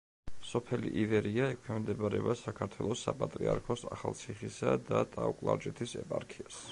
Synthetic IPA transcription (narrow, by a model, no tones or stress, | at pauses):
sɔpʰɛlḭʔivɛɾiaɛkʰɛmd̪ɛbɾɛbasakʰaɾt̪ʰwɛlˠɔsːapʼat̪ʼɾiaɾkʰɔsaχalˠt̪sʰiχisad̪ad̪aukʼlˠaɾd͡ʒʼɛt̪ʰisɛ̰pʼaɾkʰias